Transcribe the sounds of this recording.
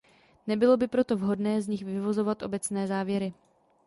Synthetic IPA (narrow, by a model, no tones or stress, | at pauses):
nɛbɪlo̞bɪpɾo̞t̪o̞vɦo̞dnɛːzɲɪxvɪvo̞zo̞vat̪ʔo̞̰bɛt͡snɛːzaːvjɛɾɪ